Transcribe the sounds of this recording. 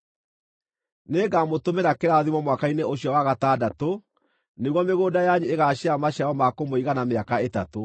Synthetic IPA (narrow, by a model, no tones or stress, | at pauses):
neːɡamotomeɾakeɾaðimwɔmwakaineoɕiɔwaɣataːdato | neɣwɔmeɣoːdajaɲieɣaɕeamaɕaɔmakomoiɣanameakaetato